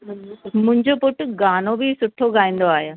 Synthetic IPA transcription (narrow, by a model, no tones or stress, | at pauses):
mʊ̃ɦɪ̃ɲd͡ʑopʊʈɡaːnobʱisʊʈʰoɡʱaːĩːn̆d̪oaːɦjoː